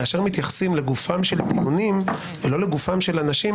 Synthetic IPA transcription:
aʃeʁmit̪jaχsimle̞ɡufamʃe̞lt̪iunim | velo̞leɡufamʃe̞lanaʃi

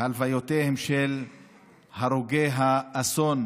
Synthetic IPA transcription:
alvajot̪ehemʃel | haɾuɡejɦaːso̞n

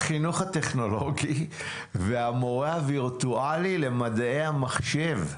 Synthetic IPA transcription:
χinuχat̪e̞χno̞loɡi | veamoʁehaviʁt̪ualile̞mad̪aejhamaχʃe̞v

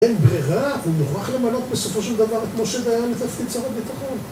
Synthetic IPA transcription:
enbʁiʁaumuχʁaχle̞malo̞t̪be̞so̞fo̞ʃeld̪avaʁet̪moʃezajaletafkit͡soʁabit̪aχo̞n

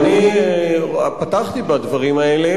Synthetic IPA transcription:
ni | pat̪aχt̪ibad̪vɐʁimaele

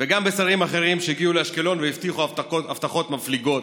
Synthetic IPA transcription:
veɡambesaʁimaχe̞ʁimʃeiɡiuleaʃke̞lo̞nveift̪iχuataoaft̪aχo̞t̪mafliɡo̞t̪

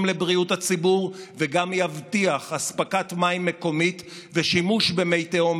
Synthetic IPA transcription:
mlebʁiuthat͡sibuʁveɡamjavtiaχaspakatmaimːeko̞mit | veʃimuʃbemejteom

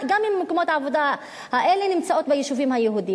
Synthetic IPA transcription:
ɡamimːekomot̪ʕavod̪a | haʔelenimt͡saʔot̪̚bejeʃufimhajeɦud̪i

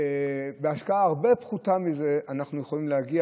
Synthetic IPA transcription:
beaʃkaaːʁbe̞pχutamize̞ʔanaχnujeχolimlehaɡia

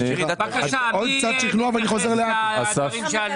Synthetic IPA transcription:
ɔlt͡sad̪ʃiχluavaniχozɛʁleaasa

